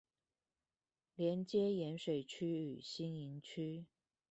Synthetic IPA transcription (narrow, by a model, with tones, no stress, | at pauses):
ljɛ˧˥nt͡ɕjɛ˥jɛ˧˦nʂwe˨˩ɪt͡ɕʰy˥y˨˩ɕi˥ni˧˥nt͡ɕʰy˥